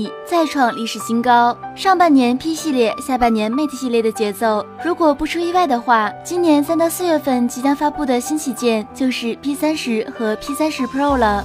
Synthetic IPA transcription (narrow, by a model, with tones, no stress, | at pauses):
t͡sa˥˧ɪʈ͡ʂʰwɑ˥˧ŋli˥˩ʂɻ̩˨˩ɕi˥ŋkɑ˥ʊʂɑ˥˧ŋpa˥˩njɛ˧˥npʰi˥ɕi˥˧ljɛ˥˧ɕja˥˧pa˥˩njɛ˧˥nme˥˩ɪt̪ʰə˧˩ɕi˥˧ljɛ˥˩d̪ə˩t͡ɕjɛ˧˥t͡so˥˩ʊɻu˧˥kwɔ˨˩pu˥˩ʈ͡ʂʰu˥i˥˧wa˥˩ɪd̪ə˩xwa˥˩t͡ɕi˥nnjɛ˧˥nsa˥nt̪ɑ˥˧ʊsɹ̩˥˧ɥɛ˥˧fə˥˩nt͡ɕi˧˥t̪jɑ˥ŋfa˥pu˥˩d̪ə˩ɕi˥nt͡ɕʰi˥˩t͡ɕjɛ˥˧nt͡ɕjo˥˧ʊʂɻ̩˥˩pʰi˥sa˥nʂɻ̩˧˥xɤ˧˥pʰi˥sa˥nʂɻ̩˧˥pʰo˥˩ʊlə˩